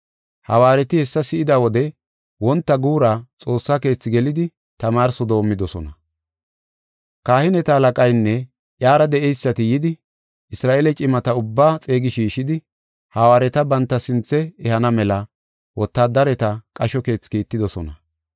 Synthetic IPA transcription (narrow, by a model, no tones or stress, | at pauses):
hɐwaːɾɛt̪ɪhɛsːɐsɪʔɪd̪awɔd̪ɛ | wɔnt̪ːɐɡuːɾat͡sʼo̞ːsːake̞ːt͡sːɪɡɛlɪd̪ɪ | t̪ɐmaːɾsɔd̪o̞ːmːɪd̪ɔsɔnɐ | kaːhɪnɛt̪ɐːlɐkʼɐjnːɛ | ʔjaːɾɐd̪ɛʔɛjsːɐt̪ɪjɪd̪ɪ | ʔɪsɾaːʔelɛt͡ʃʼɪmɐt̪ɐʊbːaːt͡sʼe̞ːɡɪʃiːʃɪd̪ɪ | hɐwaːɾɛt̪ɐbɐnt̪ːɐsɪnt͡sːɛɛhɐnɐmɛlɐ | wɔt̪ːaːd̪ɐɾɛt̪ɐkʼɐʃɔke̞ːt͡sːkiːt̪ːɪd̪ɔsɔnɐ̰